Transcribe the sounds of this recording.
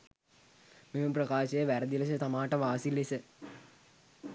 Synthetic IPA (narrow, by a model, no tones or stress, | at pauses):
meməprəkaːʃəjəʋæɾəd̪iles̬ət̪amaːʈəʋaːsilesə